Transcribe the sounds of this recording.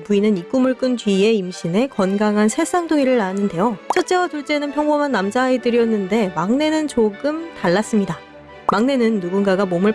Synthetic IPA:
puinɯnik͈umɯɭk͈ɯnt͡ɕɥie̞imɕʰine̞kʌnɡaŋɦansʰes͈aŋdoŋiɾɯɭːanɯnde̞jot͡ɕʰʌt͡ɕ͈e̞watuɭt͡ɕ͈e̞nɯnpʰjʌŋbomanːamd͡ʑaetɯɾiʌnːɯnde̞maŋne̞nɯnt͡ɕoɡɯmtaɭːas͈ɯmɲida | maŋne̞nɯnːuɡunɡaɡamomɯɭ

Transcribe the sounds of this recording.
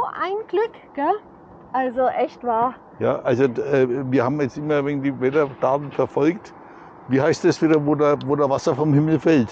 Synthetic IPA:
ʔa̰ɪnɡ̥lʏk | ɡ̥ɛ | ʔalzoʔɛçtv̥aːɐ | ja̰ːʔalzoɛviːɐhaːbmjɛt͡stʔɪmɐvendiːvɛtɐtʰaːtn̩fɛɐfɔlkt | viːhaɪstdɛsv̥iːdɐvoːdvoːdavasɐfɔmhɪml̩fɛlt

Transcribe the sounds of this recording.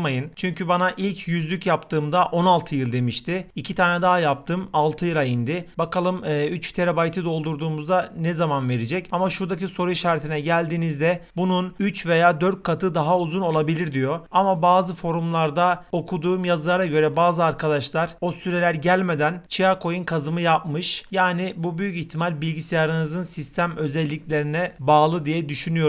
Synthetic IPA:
majɯnt͡ʃʰyɲcʰybanaʔilʲcʰjyzlʲycjapt̪ʰɯːmd̪aʔo̞nalˠt̪ʰɯjɯlˠd̪e̞miʃt̪ʰɪicʰit̪ʰaːnɛd̪aɦajap̚t̪ʰɯmalˠt̪ʰɯjɯlˠaind̪ɪbakalˠɯmːyt͡ʃt̪ʰe̞ɾabajt̪ʰid̪o̞lˠd̪uɾd̪uːmuzd̪anɛzamanve̞ɾed͡ʒɛcamaʃuɾd̪aciso̞ɾuiʃaɾt̪ʰinɛɟælʲd̪iːnizd̪ɛbununyt͡ʃve̞jaːd̪ø̞ɾt̪̚ʲkʰat̪ʰɯd̪aɦauzuno̞lˠabilʲiɾd̪ijo̞amabaːzɯfo̞ɾumlˠaɾd̪ao̞kʰud̪uːmjazɯlˠaɾaɟø̞ɾɛbaːzɯaɾkʰad̪aʃlˠaɾ̥o̞syɾɛlʲæɾɟælʲme̞d̪ænt͡ʃʰiakʰo̞junkʰazɯmɯjap̚mɯʃjaːnibubyjyciçt̪ʰimalʲbilʲɡɟisijaɾɯnɯzɯnsist̪ʰæmø̞zɛlʲːiclʲe̞ɾinɛbaːlˠɯd̪ijɛd̪yʃynyjo̞

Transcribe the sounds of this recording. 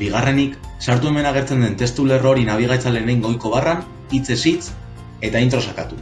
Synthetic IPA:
biɣ̞are̞niksaɾt̪ue̞me̞naɣ̞e̞ɾt͡se̞nd̪ent̪e̞st̪ule̞ro̞ɾinaβ̞iɣ̞ajt͡salenejŋɡo̞jko̞β̞aran | it͡se̞sit͡s | e̞t̪aint̪ɾo̞sakat̪u

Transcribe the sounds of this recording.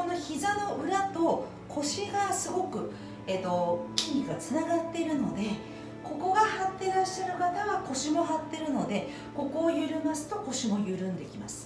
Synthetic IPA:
ko̞no̞çizano̞ɯ̟ɾat̪o̞ | kʰo̞ɕiɡasɨɡo̞kɯ̟ | et̪o̞kʲiɲʲiɡat͡sɨnaɡat̪ːe̞iɾɯ̟no̞d̪e̞ | ko̞ko̞ɡahat̪ːe̞ɾaɕːaɾɯ̟kat̪aβako̞ɕimo̞ɦat̪ːe̞ɾɯ̟no̞d̪e̞ | ko̞ko̞ːjɯ̟ɾɯ̟masɨ̥t̪o̞ko̞ɕimo̞jɯ̟ɾɯ̟̃nd̪e̞kʲimasɨ̥

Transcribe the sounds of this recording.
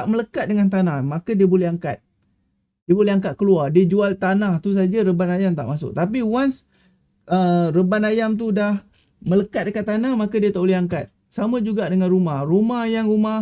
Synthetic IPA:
aʔmələkat̪̚dəŋant̪̬anahmakadiəbolɛɦaŋkat̪̚ | diəbolɛɦaŋkat̪̚kəluardiəd͡ʒualt̪anaht̪us̬ad͡ʒaɾəbanajamt̪a̰ʔmasʊ̰k̚t̪ap̬iwans | ərəbanajamt̪̬udah | mələkat̪̚dəkat̪ːanahmakadiət̪aleɦaŋkat̪̚ | samãd͡ʒuɡaʔdəŋanrumahrumahjaŋruma

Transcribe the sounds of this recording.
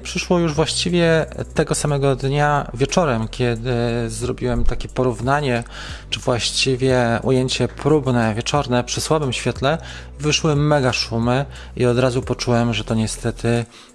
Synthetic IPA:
pʂɘʂwɔjuʐvwaɕt͡ɕivʲjɛt̪ɛɡɔsamɛɡɔd̪ɲavʲjɛt͡ʂɔɾɛmkʲʰɛd̪ɘzɾɔbʲiwɛmt̪akʲɛpɔɾuvnaɲɛ | t͡ʂɘvwaɕt͡ɕivʲjɛṵjeɲt͡ɕɛpʰɾubnɛvʲjɛt͡ʂɔɾnɛpʂɘswabɘmɕfʲjɛt̪lɛ | ivɘʂwɘmɛɡaʂumɘ | iɔd̪ɾazupɔt͡ʂuwɛmʐɛt̪ɔɲɛst̪ɛt̪ʰɘ

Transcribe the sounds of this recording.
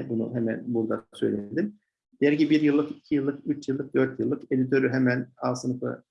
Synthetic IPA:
bunṵɦemæ̰nbuɾd̪asøjlʲed̪im | d̪̥eɾɟibiɾjɯlˠːɯkicʰijɯlˠːɯkyt͡ʃʰjɯlˠːɯk̚d̪ø̞ɾt̪jɯlˠːɯke̞d̪it̪ʰø̞ɾyɦemænalˠsɯnɯfɯ̰

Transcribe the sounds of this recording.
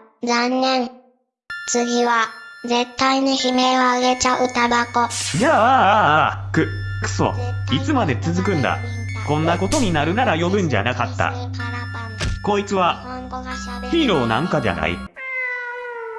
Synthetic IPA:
d͡zãnːẽ̞ŋ | t͡sɨɡʲiβad͡ze̞t̪ːainoçime̞oaɡe̞t͡ɕaʔɯ̟t̪abako̞ja | kɯkɯ̥so̰it͡sɨmad̪e̞t͡sɨzɨkɯ̟̃nd̪a̰ | kõ̞nːako̞t̪o̞ɲ̟inaɾɯ̟naɾajo̞bɯ̟̃ɲ̟d͡ʑa̰nakat̪ːa̰ | ko̞it͡sɨβa | çiːɾo̞ːnãŋkad͡ʑa̰na̰ḭ

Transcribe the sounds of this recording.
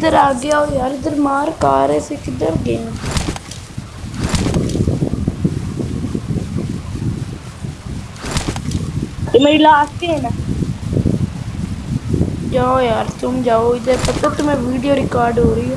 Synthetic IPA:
ɪd̪əɾaːɡɪjaːoːjaːɾɪd̪əɾmaːɾkaːɾeːsɪkd̪əɾɡɪn | t̪ʊmeːilaːst̪ena | d͡ʒaːoːjaːɾt̪ʊmd͡ʒaːoːɪd̪əɾpət̪oːt̪ʊmẽːʋiːɖijoːɾɪkaːɾɖɦoːɾəiːoː

